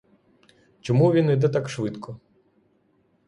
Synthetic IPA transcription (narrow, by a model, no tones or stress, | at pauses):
t͡ʃɔmuʋʲinɪjd̪ɛt̪akʃʋɪt̪kʰɔ